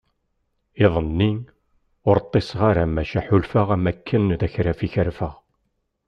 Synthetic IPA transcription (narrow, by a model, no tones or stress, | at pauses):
ɪðˤənːi | ʊɾt̪ˤːesʁaɾamæʃæħulfəʁæmækʰːənðæçɾæfiçəɾfəʁ